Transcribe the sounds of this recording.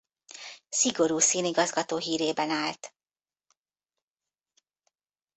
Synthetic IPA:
siɡo̞ɾuːsiːniɡɒzɡɒt̪oːɦiːɾeːbɛnaːlt̪

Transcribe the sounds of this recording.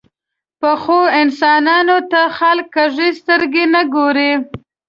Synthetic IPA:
pəxoɪnsɑnɑnot̪axalkːaʐist̪əɾɡenəɡoɾe

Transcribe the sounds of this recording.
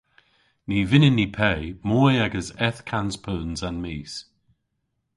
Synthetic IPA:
nivɪnɪnːipʰɛjmɔːjaɡəsɛθkʰanspʰəːnzanmiːs

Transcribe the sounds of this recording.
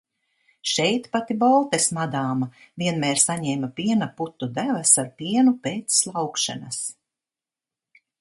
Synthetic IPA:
ʃɛjt̪pat̪ibɔlˠt̪esmad̪aːmaviɛnmɛːɾsaɲɛːmapiɛnaput̪ːud̪ævɐsaɾpiɛnupeːt̪slˠawkʃa̰nas

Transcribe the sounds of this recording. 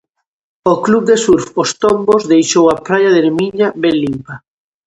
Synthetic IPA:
oklub̚d̪esuɾfost̪ombozðejʃowapɾajaðeɾmiɲaβelːimpa

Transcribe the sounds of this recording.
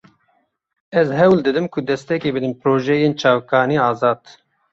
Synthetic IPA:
ɛzɦɛwld̪ɨd̪ɨmkʰʊd̪ɛst̪ɛkeːbɨd̪ɨmpɾoːʒɛjeːnt͡ʃʰɑːwkɑːniːɑːzɑːd̪̥

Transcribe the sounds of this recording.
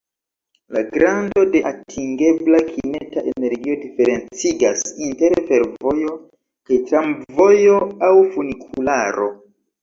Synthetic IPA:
laɡɾando̞de̞ʔatʰiŋɡe̞blakʰimetaʔene̞ɾɡio̞dife̞ɾe̞nt͡siɡasinte̞ɾfe̞ɾvo̞jo̞ | kajtɾamvo̞jo̞awfunikʰulaɾo̞

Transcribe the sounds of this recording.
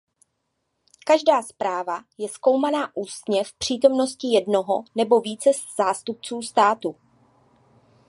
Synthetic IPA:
kaʒdaːspɾaːvajɛsko̞wmanaːʔuːst̪ɲɛfpr̝̥iːt̪o̞mno̞scɪjɛdno̞ɦonɛbo̞viːt͡sɛsz̥aːst̪up̚t͡suːst̪aːt̪u

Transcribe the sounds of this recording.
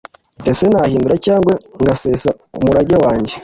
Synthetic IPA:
ese̞naːhiːnduɾacaːŋɡwe̞ŋɡaseːsa | ṵmuɾaɟewaːɲɟe̞

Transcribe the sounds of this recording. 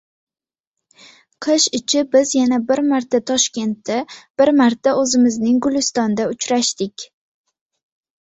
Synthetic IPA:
qʰɨʃɪt͡ʃʰɪbɪzjanabɪɾmaɾt̪ʰat̪ʰɒʃkʲe̞nt̪ːab̥ɪɾmaɾt̪ʰaɵzɪmɪznɪŋɡʊlɪst̪ɒnd̪aʊt͡ʃɾaʃt̪ɪkʲ

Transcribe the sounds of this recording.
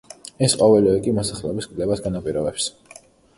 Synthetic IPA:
ɛsqʼɔvɛliɛkʼimɔsaχlɛbiskʼlɛbasɡanapʼiɾɔbɛps

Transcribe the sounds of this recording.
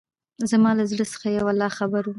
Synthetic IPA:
zamɑlazɽəsə̥xajawalːɑxabaɾu

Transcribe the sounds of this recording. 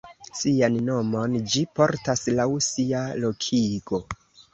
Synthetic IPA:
sianno̞mo̞nd͡ʒipo̞ɾtaslawsialo̞kʰiɡo̞

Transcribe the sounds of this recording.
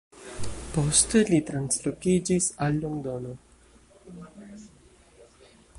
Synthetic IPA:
pɔst̪əlit̪ɾanslokid͡ʒisalːoŋd̪ono

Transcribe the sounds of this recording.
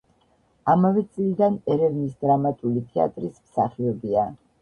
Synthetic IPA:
amavɛt̪sʼlid̪anɛɾɛvnisd̪ɾamat̪ʼulit̪ʰɛa̰t̪ʼɾismsa̰χiɔbia

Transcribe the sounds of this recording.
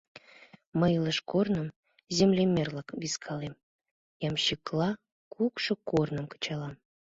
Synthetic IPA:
məjləʃkornə̆m | zʲemlʲemʲerlˠəkβiskʰɑlem | jɑmɕiklˠɑ | kʰukʃɤ̆kornə̆mkə̥t͡ɕɑlɑm

